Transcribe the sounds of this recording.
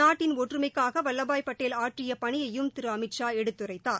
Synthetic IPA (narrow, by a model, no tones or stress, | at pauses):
aːʈːɪnoːʈrɯmɐɪkːaːɣɐʋɐlːɐbaːjpːɐʈːeːlaːʈrɪjɐpɐɳɪjɐjɯmt̪ɪɾɯɐmɪʈt͡ʃaːɛɽɯt̪ːɯrɐɪt̪ːaːɾ